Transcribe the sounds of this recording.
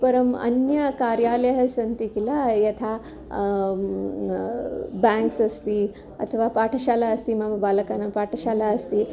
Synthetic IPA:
pəɾəmə̰njəkaɾjaləɦəsənt̪ikilajɐt̪ʰa | bɛ̃ŋksəst̪iː | ə̰t̪ʰəʋapaʈʰəɕalaəst̪iːmambaləkanapaʈʰəɕalaəst̪i

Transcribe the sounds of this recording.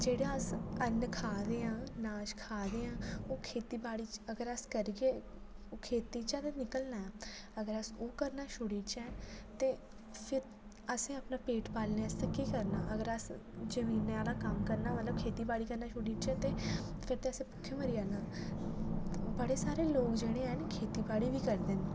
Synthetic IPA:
d͡ʒeːɽaːəsənkʰaːd̪eːãːnaːʃkʰaːd̪eːãːoːkʰeːt̪iːbaːɽiːt͡ʃəɡəɾəskəɾiɡeːoːkʰeːt̪iːt͡ʃɛ̃t̪enɪkəlnaːɛː | əɡəɾəsoːkəɾnaːʃʰʊɽiːt͡ʃɛːt̪eː | pʰɪɾ | əsẽːəpnaːpeːʈpaːlnẽːəst̪ekiːkəɾnaːʔəɡəɾəsd͡ʒəmiːnaːlaːkəmkəɾnaːmət̪ləb̚kʰeːt̪iːbaːɽiːkəɾnaːʃʰʊɽiːt͡ʃɛ̃ːt̪eːpʰɪɾt̪eːəsẽːpʊkʰːeməɾɪjaːnaː | bəɽeːsaːɾeːloːkd͡ʒeːɽ̃eːankʰeːt̪iːbaːɽiːʋiːkəɾd̪eːn

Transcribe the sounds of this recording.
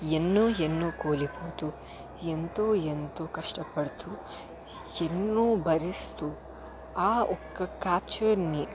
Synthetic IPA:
enːuːenːuːkoːliboːt̪u | ent̪uent̪ukɐʂʈɐpɐɽt̪u | enːuːbɐɾist̪u | aːɔkːɐkaːt͡ʃɐɾni

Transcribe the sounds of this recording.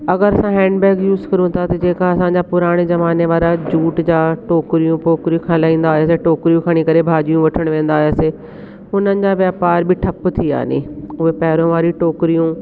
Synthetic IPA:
ɐɡəɾɐsãɦɛ̃ːɳɖbɛːɡjuːzkɐɾũt̪ʰat̪ɐd͡ʑeːkaɐsãːɲd͡ʑapʊɾaːɽ̃ezɐʋaːneʋaːɾad͡ʑuːʈd͡ʑaːʈoːkɾijũpoːkɾijũkʰãlaːĩːn̆d̪aːɦjaːseʈoːkɾijũkʰɐɽ̃ikɐɾebʱaːd͡ʑijũʋɐʈʰəɽ̃ʋẽːn̆d̪aːɦjaːseː | ʊnənɪ̆d͡ʑaʋjaːpaːɾbɪʈʰɐpt̪ʰia̰ːnḛʊɦepɐɦɪɾõʋaːɾiʈoːkɾijũ

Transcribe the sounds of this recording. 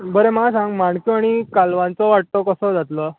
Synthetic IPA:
bəɾeməlasãŋɡmaɳkjoaɽ̃ikalʋãnt͡sɔʋaʈ̚t̪ɔkəsəːd͡zat̪lə

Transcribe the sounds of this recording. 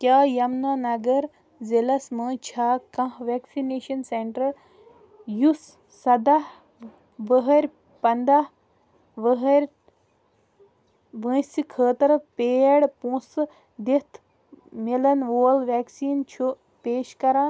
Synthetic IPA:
kʲaːjɐmnɐnɐɡɐɾ | zelɐsmɐːt͡ʃʰaːkɐ̃ɦʋeːksineːʃɐnseɳʈɐɾ | jusː | ɐd̪ah | ʋəɦɐɾʲ | pɐnd̪ah | ʋəɦɾʲ | ʋə̃ːsikʰəːt̪ɐɾpeːɽpũsɨ | d̪et̪ʰ | milɐnʋoːlʋɛːksiːnt͡ʃʰu | peːʃkɐɾaːn

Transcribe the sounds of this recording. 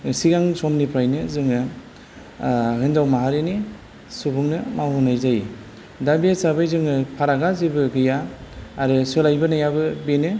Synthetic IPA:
siɡaŋsomnipʰɾajnɯzɯŋɯ | ɦɯndawmaɦaɾeni | subuŋnɯmawunajzaji | dabiesabajzɯŋɯpʰaɾaɡazibɯɡɯjaːɾɯsɯlajbɯnajabɯbenɯ

